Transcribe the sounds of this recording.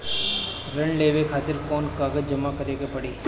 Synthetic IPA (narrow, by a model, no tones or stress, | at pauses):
ɾɐɳleːʋekʰaːt̪ɪɾkɔːnkaːɡəd͡ʒɐmakɐɾeːɡapɐɽeː